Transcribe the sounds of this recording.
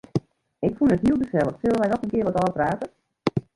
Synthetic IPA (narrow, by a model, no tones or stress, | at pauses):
ɪkfunətɦiəlˠdəfɛlˠəxsølənʋɛjdɔtkənkɪːəʋɔtɔːpraːtə